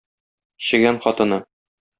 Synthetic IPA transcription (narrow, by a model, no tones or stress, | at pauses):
ɕɘ̆ɡænχɒt̪ɤ̆nɤ